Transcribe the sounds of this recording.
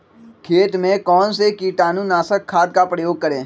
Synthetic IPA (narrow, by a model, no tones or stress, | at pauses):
kʰeːʈ̪mẽkɔːnsekiːʈaːnũnaːsəkʰːaːd̪̚kapɾəjoːɡ̚kəɾẽː